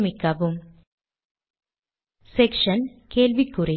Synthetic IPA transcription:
mɪkːɐʋɯm | sɛkʂɐnkeːlʋikːʊɾɪ

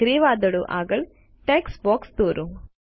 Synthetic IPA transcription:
ɾiːʋaːd̪ɐɽuʔa̰ːɡɐɭ | ʈeːksboːkst̪uːɾʔu

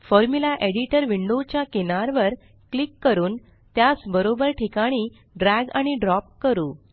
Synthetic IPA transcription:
fɔɾmulaʔeɽiʈəɾʋiɳɖot͡ɕjakenaɾʋəɾ | klikːəɾuːn | t̪jasbəɾobəɾʈʰikaɽ̃iː | ɖɾæɡaɽ̃iɖɾɔp̚kəɾuː

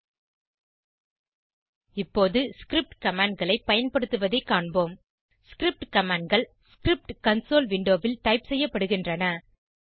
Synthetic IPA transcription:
ɪpːoːðɯskɾɪp̚ʈkɐmaːɳɖ̚ɡɐɭɐɪpːɐjɐnpɐɽɯt̪ːɯʋɐðɐɪkːaːɳboːm | skɪɾɪp̚ʈkɐmaːɳɖɡɐɭskɪɾɪp̚ʈkɐnsoːlʋɪɳɖoːʋɪlt̪ɐɪpsɛjːɐpːɐɽɯɣɪndrɐnɐ

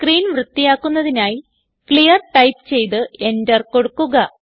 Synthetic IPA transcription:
kriːnʋrɨt̪ːijaːkːunːɐðinaːji | kɭijɐrʈɐjpt͡ɕe̞jt̪ɨʔe̞ndɐrko̞ɽukːuɣɐ

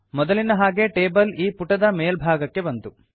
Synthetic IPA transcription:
mɔd̪ɐlinɐɦaːɡe̞ʈeːbɐliːpuʈɐd̪ɐmeːlbʱaːɡɐkːe̞bɐnt̪u

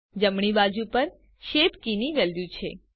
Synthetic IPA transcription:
d͡ʒəmɳ̃ibad͡ʒupəɾ | ʃepkiniʋəljũt͡ʃʰḛ

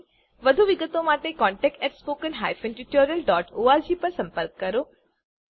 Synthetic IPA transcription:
ʋɐd̪ʱuʋɪɡət̪õmaːʈekɔːɳʈɛk̚ʈɛːʈspoːkənɦaːjfẽnʈiʈoːɾijəlɖɔːʈoːaːɾd͡ʑiːpɐɾsɐ̃mpəɾkːɐɾoː

